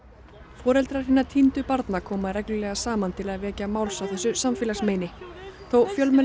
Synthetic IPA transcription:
fɔːɾɛlt̪ɾaɾ̥hinːat̪ʰint̪ʏpaɾt̪nakʰɔːmaðɾɛknʏlɛɣasaːmant̪ʰɪlaðvɛːcamaːwlsawθɛsːʏsamfɪːlasmeːjnɪθowfjœlmɛn

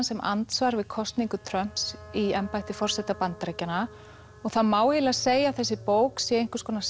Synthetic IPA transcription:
nsɛmʔa̰nt̪svaɾvɪðkʰɔst̪niŋkʏt̪ʰɾœm̥psiɛmpajht̪ɪfɔr̥sɛt̪apant̪ɾecana | ɔɣθaðmaːwhɪlaseːjaθɛsːɪpoːwksjɛeŋ̥kʏ̥skʰɔːnas

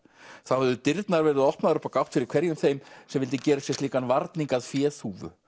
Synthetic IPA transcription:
θawhɛðʏt̪ɪɾt̪naɾvɛːɾɪðɔhpnaðɾʏpːakawht̪fɪɾɪɾ̥kʰvɛɾjʏmθejmsɛmvɪlt̪̬ɪcɛːɾasjɛst̪liːkanvaɾt̪niŋkaðfjɛːθuːvʏ̰

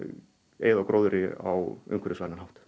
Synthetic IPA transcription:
ḛːjðawkɾowðʏɾɪa̰wʏ̰ŋkʰɪɾɪsvaːnanɦawht̪

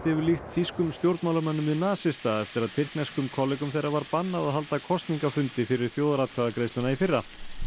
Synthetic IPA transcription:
t̪ɪvʏɾlixt̪fiskʏmst̪jowɾt̪mawlamɛnːʏmvɪðnaːsɪst̪aɛft̪ɪɾaðt̪ʰɪr̥knɛskʏmkʰɔlɪkʏmθejɾːavaɾpanːaðaðɦalt̪akʰɔst̪niŋkafʏnt̪ɪfɪɾɪɾ̥θjoːwðaɾawt̪̚kʰaðakɾejsnʏnaifɪrːa

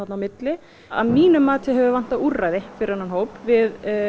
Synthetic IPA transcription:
at̪nawmɪt̪lɪ | a̰ðmiːnʏmːaːt̪ʰɪɦɛvʏvan̥t̪aðurajðɪfɪɾɪɾanhanɦoːwpvɪð

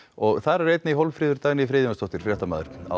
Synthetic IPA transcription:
ɔɣθaɾaɾejt̪nɪiɦɔlfɾɪːðʏɾt̪aːɣniifɾeːðɪmast̪ʰɔht̪ɪɾ̥frjɛht̪amaːðɪɾ̥a̰

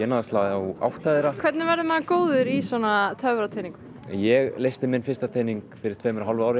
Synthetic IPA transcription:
ɛːnaðast̪laːðawa̰wht̪ʰajðɪɾakʰvɛɾt̪nɪvɛɾðʏmaðakoːwðʏɾisɔnat̪ʰœvɾat̪ʰejniŋkʏ̥ | jɛɣleːjst̪ɪmɪnfɪrst̪at̪ʰeːjniŋkfɪɾɪɾ̥t̪ʰveːjmɛɾɦalvʏaːwɾɪ

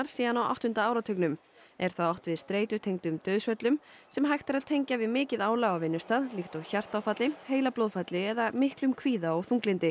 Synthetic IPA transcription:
aɾ̥siːðanawa̰wht̪hʏnt̪aaːwɾat̪ʰœknʏm | ɛɾ̥θaawht̪vɪðst̪ɾeːjt̪ʏt̪ʰejŋt̪ʏmt̪œɥðsvœt̪lʏmsɛmɦajxt̪aɾaðt̪ʰejɲcavɪðmɪːcɪðaːwlaɣawvɪnːʏst̪aːðlixt̪ɔɣçar̥t̪awfat̪lɪheːjlaplowðfat̪lɪɛðamɪhklʏmkʰviːðaɔɣθuŋklɪnt̪ɪ

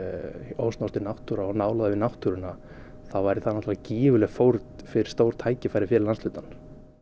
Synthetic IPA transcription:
owsnast̪ɪnawht̪ʏɾaɔɣnaːwlaðɪvɪnawht̪uɾʏna | θavajɾɪθanɔt̪lvaciːvʏlɛɣfowɾt̪fɪɾɪ̥ɾ̥st̪owɾ̥t̪ʰaːjcɪfajɾɪfɪɾɪlanslʏːt̪an

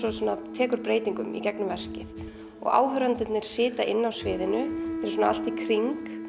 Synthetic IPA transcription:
sɔsuːnat̪ʰɛːkʏɾ̥pɾeːjt̪iŋkʏ̰mḭcɛknʏmvɛr̥cɪθ | ɔ̰ɣa̰ːwɦœɾant̪ɪt̪nɪɾ̥sɪːt̪aʔɪnːawsvɪːðɪnʏθɛɾsuːnaa̰l̥t̪ikʰɾiŋk

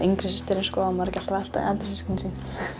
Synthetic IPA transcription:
ʔiŋkɾɪsist̪ɪɾɪnskɔːamaɾcɛl̥t̪avalt̪a̰ɛːt̪nsiskɪnsiːn

